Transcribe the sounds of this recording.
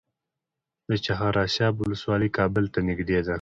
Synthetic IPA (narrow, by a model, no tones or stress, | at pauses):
d̪̥ət͡ʃaɦaɾɑsɑːbʊləswɑːlikɑːbəlt̪anɪɡd̪ed̪a